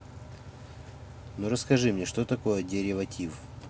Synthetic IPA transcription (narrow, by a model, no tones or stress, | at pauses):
nuɾəskɐʐɨmnʲeʂt̪ot̪ɐko̞jədʲɪɾʲɪvɐtʲʰif